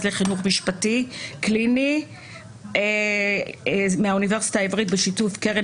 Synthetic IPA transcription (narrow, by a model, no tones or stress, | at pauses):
zleχinuχmiʃpatiklini | meauniveʁsi̥taivʁitbeʃitufkeʁe